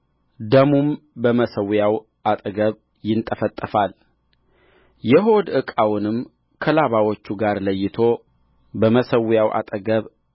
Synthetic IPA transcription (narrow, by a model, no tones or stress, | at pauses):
d̪əmumbəməsəwjaw | ʔat̪ʼəɡəβ | jɪnt̪ʼəfət̪ʼːəfal | jɛɦo̞d̪ɨkʼawnɨm | kʰəlaβawot͡ʃːuɡaɾləjːɪt̪ʰo̞ | bəməsəwjawʔa̰t̪ʼəɡəβ